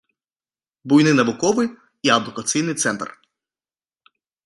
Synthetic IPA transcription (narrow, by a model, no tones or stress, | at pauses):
bujnɪnɐʋʊkɔʋɪj | iɐd̪ʊkɐt̪sijnɪjt̪sɛnt̪r